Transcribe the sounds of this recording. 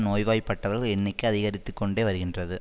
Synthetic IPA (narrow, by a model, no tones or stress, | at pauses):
noːjʋaːjpːɐʈːɐʋɐɾɣɛɳːɪkːɯɐðɪɣɐɾɪt̪ːɯkːɔɳɖeːʋɐɾɯɣɪndrɐðɯ